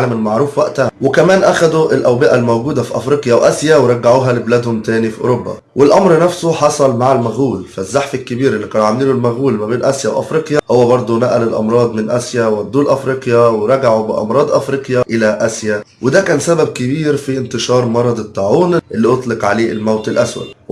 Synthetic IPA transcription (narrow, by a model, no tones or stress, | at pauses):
læmɪnmaʕɾuːfwæʔt̪æwɪkæmæːnʔæxæd̪uʔɪlʔæwbɪʔælmæwɡuːd̪æfiʔɑfɾiːqjæwʔæsjæweɾˤɑɡːaʕuːɦælɪblæːd̪hʊmt̪æːnifiʔo̰ɾobːɑ̰ | wɪlʔɑmɾnæfsoħɑsˤɑlmaʕalmæɣuːlfæzːaħfɪlkːɪbiːɾɪlːiːqæːnʕamliːlʊlmæɣuːlmæbeːnʔæsjæwʔɑ̰fɾiːqjæhowːæbɑɾˤd̪ˤunæʔælɪlʔɑ̰mɾˤɑːd̪ˤmɪnʔæsjæwæd̪ːuːlʔæfɾiːqjawɪɾˤɑɡaʕubɪ̰ʔɑ̰mɾˤɑːd̪ˤʔɑfɾiːqjæʔɪlæʔæsjæ | wɪd̪æːkæːnsæbæb̚kɪbiːɾfiʔɪnt̪ɪʃɑːɾˤmɑɾˤɑd̪ˤɪt̪ːaʕuːnʔɪlːiːʔot̪ˤlɪqʕaleːʔɪlmæwt̪ɪlʔæswæ̰d̪